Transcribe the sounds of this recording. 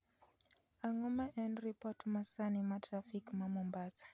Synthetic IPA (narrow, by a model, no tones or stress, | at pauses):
aŋɔmaʔɛnɾipɔtmasanimatɾafikmamɔmbasḁ